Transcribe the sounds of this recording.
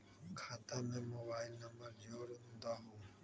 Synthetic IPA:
kʰaːt̪aːmẽːmoːbaːɪlnəməɾd͡ʒoːɾɦũːnd̪aːɦũː

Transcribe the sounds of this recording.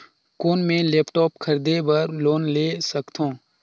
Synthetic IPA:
koːnmẽleːpʈɔːpkʰɐɾd̪ebɐɾloːnleːsɐkt̪ʰõː

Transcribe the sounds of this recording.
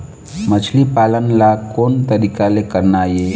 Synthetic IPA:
mət͡ʃʰlipalənlakoːnt̪əɾikalekəɾnaje

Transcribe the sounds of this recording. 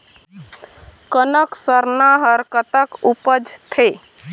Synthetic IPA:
kənəksəɾnaɦəɾkət̪əkupəd͡ʒt̪ʰe

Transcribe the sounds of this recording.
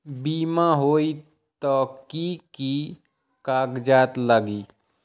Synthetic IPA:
biːmãɦoːi | t̪ɔːkiki | kaːkd͡ʒaːt̪ləɡiː

